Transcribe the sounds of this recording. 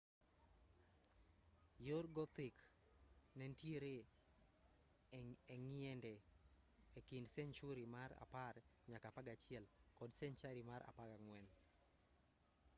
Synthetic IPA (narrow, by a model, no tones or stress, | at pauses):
joɾɡɔt̪ɪk | nɛntjeɾe | ŋɪɛndɛ | ekindsɛnt͡ʃuɾimaɾa̰paɾ | ɲakapaɡat͡ʃɪɛlkɔdsɛnt͡ʃaɾimaɾʔa̰paɡaŋwɛn